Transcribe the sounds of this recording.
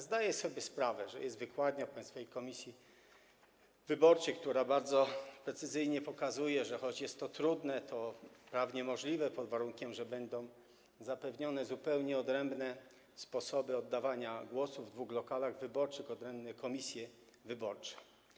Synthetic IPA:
zd̪ajɛsɔbʲjɛspɾavɛʐɛ̰jɛst̪vɘkwad̪ɲapaj̃st̪fajejkɔmʲisʲji | vɘbɔɾt͡ʂɘk̚t̪uɾabaɾd̪zɔpɾɛt̪sɘzɘjɲɛpɔkazujɛʐɛxɔd͡ʑjɛst̪ːɔt̪ɾud̪nɛt̪ɔpɾavɲɛmɔʐlʲivɛpɔd̪vaɾuŋkʲɛmʐɛbɛnd̪ɔ̃w̃ | zapɛvɲɔnɛzupɛwɲɛɔd̪ɾɛmbnɛ | spɔsɔbɘɔd̪ːavaɲaɡwɔsuvd̪vuɣlɔkalaɣvɘbɔɾt͡ʂɘxɔd̪ɾɛmbnɛkɔmʲisʲjɛ | vɘbɔɾt͡ʂɛ̥

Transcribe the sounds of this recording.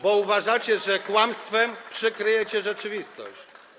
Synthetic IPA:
bɔuvaʐat͡ɕɛʐɛkwamst̪fɛmpʂɘkɾɘjɛt͡ɕɛʐɛt͡ʂɘvʲist̪ɔ̰ɕt͡ɕ

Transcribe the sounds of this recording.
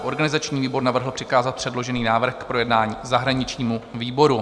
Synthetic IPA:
ʔo̞ɾɡanɪzat͡ʃɲiːviːbo̞ɾnavr̩ɦl̩ˠpr̥ɪkaːzat̪̚pr̥ɛdlo̞ʒɛniːnaːvr̩xkpɾo̞jɛdnaːɲiːzaɦɾaɲɪt͡ʃɲiːmuviːbo̞ɾu

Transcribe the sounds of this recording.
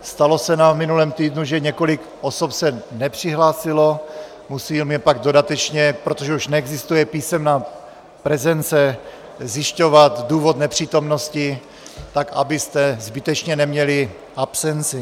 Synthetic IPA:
st̪alo̞sɛnaːmvmɪnulɛːmt̪iːdnuʒɛɲɛko̞lɪk | ʔoso̞psɛnɛpr̝̥ɪɦlaːsɪlo̞ | musiːlmɛpaɡdo̞dat̪ɛt͡ʃɲɛpɾo̞t̪oʒɛuʃnɛɛɡzɪst̪ujɛpiːsɛmnaː | pɾɛzɛnt͡sɛ | zjɪʃco̞vat̪duːvot̪nɛpr̝̥iːt̪o̞mno̞scɪ | t̪aka̰bɪst̪ɛzbɪt̪ɛt͡ʃɲɛnɛmɲɛlɪ | ʔapsɛnt͡sɪ

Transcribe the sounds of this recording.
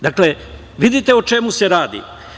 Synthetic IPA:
d̪akle̞ | ʋid̪it̪e̞ot͡ʃe̞muse̞ɾaːd̪ḭ

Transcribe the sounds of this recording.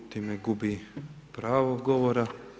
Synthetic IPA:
t̪imeɡubipɾaːʋoɡoʋoɾa

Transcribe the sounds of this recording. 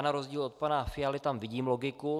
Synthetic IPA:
naɾozɟiːlo̞t̪̚panafɪjalɪt̪amvɪɟiːmlo̞ɡɪku

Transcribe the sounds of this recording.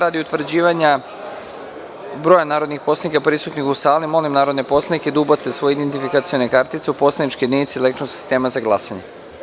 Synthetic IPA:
ɾaːd̪iut̪ʋr̩d͡ʑiːʋaɲa | bɾojanaːɾo̞d̪nixpo̞slenikapɾisut̪nixusaːlimo̞limnaːɾo̞d̪nepo̞slˠad̪niked̪ubat̪sesʋo̞jeid̪ent̪ifikat̪sio̞nekaɾt̪it̪seupo̞slˠed̪nit͡ʃkid̪ninit̪silekt̪ɾosi̥st̪e̞ːmazaɡlˠasaɲe

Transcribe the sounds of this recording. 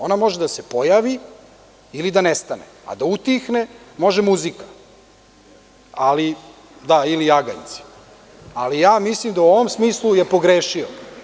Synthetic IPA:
o̞namo̞ʒed̪ase̞po̞jaːʋi | ilid̪anest̪anḛa̰d̪aut̪ixne̞mo̞ʒemuzikḁ | ali | d̪ailijaɡa̰nt̪si̥ | alijaːmislimd̪auo̞ʋomsmiːslˠuje̞po̞ɡɾeʃio

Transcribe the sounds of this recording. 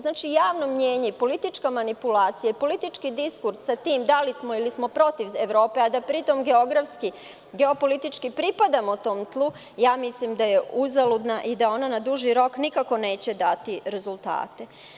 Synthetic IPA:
znaːt͡ʃijaːʋnomɲe̞ːɲepo̞lit̪it͡ʃkamanipulaːt̪sijaipo̞lit̪it͡ʃkid̪iskuɾssat̪iːmd̪alismo̞ilismo̞pɾo̞t̪iʋeʋɾo̞ːpe̞ad̪apɾit̪o̞mɡe̞o̞ɡɾafski | ɡe̞o̞po̞lit̪it͡ʃkipɾipad̪amot̪o̞ːmt̪lˠu | jaːmislimd̪aje̞uzalud̪naʔid̪ao̞nanad̪uʒiɾo̞knikako̞ne̞ːt͡ɕe̞d̪at̪iɾe̞zulˠt̪a̰ːt̪e

